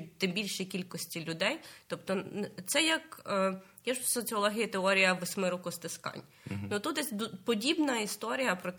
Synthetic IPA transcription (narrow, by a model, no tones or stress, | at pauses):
t̪ɪmbʲilʲʃikʲilʲkɔsʲtʲilʲʊd̪ɛjt̪ɔpt̪ɔt̪sɛjɐk | jaʒsɔt͡sʲiɔlˠɔɦʲijit̪eɔɾʲijɐʋɪsʲmɪɾɔkʊst̪ɪskɑ̰nʲ | nut̪ut̪d̪ɛsʲd̪pɔdʲibnɐist̪ɔɾʲijɐpɾɔt̪